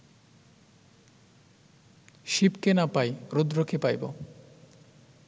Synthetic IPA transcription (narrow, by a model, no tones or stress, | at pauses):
ʃipkenapajɾud̪ɾokʰepajbo̰